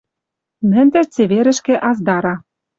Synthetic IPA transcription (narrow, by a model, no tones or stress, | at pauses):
mɘ̆nt̪ɘ̆t͡sĕβeɾɘ̆ʃkĕʔɑzd̪ɑɾɑ